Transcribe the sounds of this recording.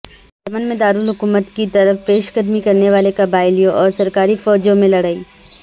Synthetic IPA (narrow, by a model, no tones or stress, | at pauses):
t͡ʃɐmənmẽd̪aːɾuːlɦʊkuːmət̪kit̪ɐɾəfpeːʃɡəd̪mikɐɾneʋaːlekabaːɪlijõʔɔːɾsɐɾkaːɾifɔːd͡ʒjõmẽlɐɽaːiː